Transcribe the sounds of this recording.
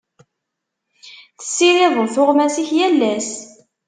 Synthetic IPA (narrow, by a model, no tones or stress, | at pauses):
θə̥sːiɾɪðˤoθʊʁmæsiçjælːæs